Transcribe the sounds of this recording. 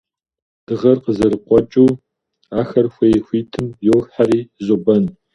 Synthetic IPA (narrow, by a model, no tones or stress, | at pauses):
d̥ɨʁɐrqəzɐɾɨqʷɔt͡ʃʼuː | aːxɐrxʷeːjxʷiːtʰɨmjoːxħaɾiːzʊbɐn